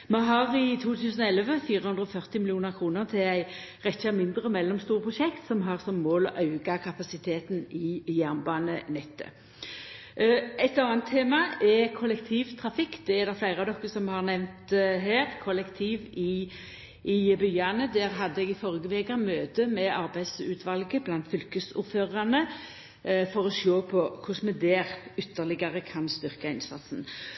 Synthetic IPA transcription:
mɛɦɑʁɪt̪ʰuːt̪ʰʉːsənɔɛlʋəfiːɾəhʉnd̪ʁəɔfœʁt̪ɪmɪlɪuːnəʁkʰʁuːnəʁt̪ʰɪlæɪ | ʁɛçamɪnd̪ʁəmɛlːɔmst̪uːʁəpʰʁʊʃɛkt̪sɔmɦɑʁsɔmːoːlɔ̰ʔɑʉɡakʰɑpɑsɪt̪ʰeːt̪nɪjæʁnbɑːnənɛt̪ːə̰ | ɛt̪ɑːənt̪ʰːeːmɑɛkʰɔlɛkt̪ʰiːʋt̪ʰʁɑfɪkːd̪̥ɛɛɾd̪ɛflæɪʁɑʋd̪ɔkːəsɔmhɑʁnɛʋnt̪ɦæːʁkʰɔlɛkt̪ʰiːʋɪ | ɪbyːɑnəd̪æɾɦɑd̪ːəɛɡɪfɔʁɡəʋeːɡɑmøːt̪əmɛʔɑɾbæɪd̪sʉːt̪ʰʋɑlɡəblɑnt̪fʏlkəsʊ̰ɾføːʁɑnə | fɔʁɔsoːpʰɔkʰʊsmɛd̪æːʁʏt̪ːəʁlɪɡɑʁəkʰɑnst̪ʏʁkɑɪnsɑ̰t̪sn̩

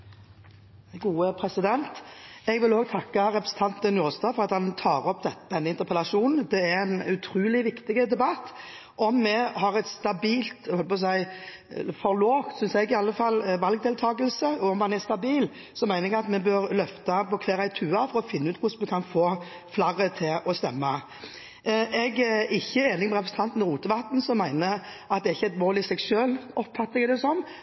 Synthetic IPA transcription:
ɡuːəpʰɾɛsɪd̪ɛnt̪ɛɡʋɪloːɡ̚t̪ʰɑkːɑɾɛpɾɛsn̩t̪ʰɑnt̪ɛnuːʁst̪ɑːfɔʁɑt̪hɑnt̪ʰɑːɾɔpd̪ɛt̪d̪ɛnːəɪnt̪əʁpʰəlɑʂuːnn̩d̪ɛæɛnʉt̪ʰɾuːlɪʋɪkt̪ɪɡəd̪ɛbɑt̪ː | ʔɔmːɛɦɑʁɛt̪st̪ɑbiːlt̪hɔlpɔs̬æɪ | fɔʁloːft̪sʏnsɛɡɪɑlːəfɑlːʋɑlɡ̚d̪eːlt̪ʰɑːɡəlsəɔɔmːɑnɛst̪ɑbiːl | sɔmæɪnəɾɛɡɑt̪mɛbøɾlœft̪ɑpɔkʰʋeːɾæɪt̪ʰʉːɑfɔɾɔfɪnːəʉːt̪kʰʊsmɛkʰɑnfoː | flɑʁət̪ʰɪlɔst̪ɛmːɑ | ɛɡɪçːəeːnɪŋmɛʁɛpʰɾəsn̩t̪ʰɑnt̪nɔʁuːt̪əʋɑt̪n̩sɔmːæɪnəʔɑt̪d̪ɛːɾɪçːəɛt̪moːlɪsɛɡsøːlɔpfɑt̪ːɪɛd̪ɛsɔm

